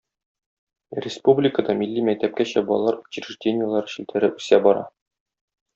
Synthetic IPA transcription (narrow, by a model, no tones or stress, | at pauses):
rʲɪspublʲɪkəd̪ɑmilʲːimæk̚t̪æp̚kæɕæbɒ̰lˠːɑɾu̥t͡ɕɪɾʲɘ̆ʐdʲenʲɪjəlˠɑɾɤɕilt̪æɾɘʔʉsæbɒɾɑ̰